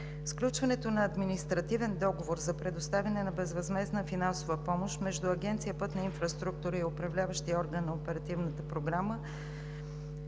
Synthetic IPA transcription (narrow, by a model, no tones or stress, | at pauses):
fsklʲut͡ʃvɐnɛt̪onɐːd̪minist̪ɾɐt̪ivɛnd̪ɔɡovoɾzɐpɾɛd̪ost̪avʲɐnɛnɐbɛzvɐzmɛznəfinansovəpɔmoʃt̪mɛʒd̪ʊɐɡʲɛnt̪sijəpɤt̪nɐinfɾɐst̪ɾuk̚t̪uɾəiopɾɐvlʲavəʃt̪iɔɾɡənːɐopɛɾɐt̪ivnət̪əpɾoɡɾamə